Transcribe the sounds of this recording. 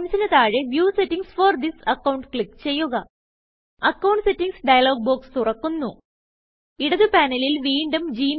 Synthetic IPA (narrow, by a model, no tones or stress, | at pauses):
msɐnɐt̪aːɻeʋjuːsetːiŋsford̪isɐkːɐwɳɖkɭikt͡ɕe̞jːuɣɐ | ɐkːɐwɳɖsetːiŋsɖɐjɐlo̞ːɡ̚boːkst̪urɐkːunːu | iɽɐðɨpaːnɐlilʋiːɳɖɐmd͡ʑiːm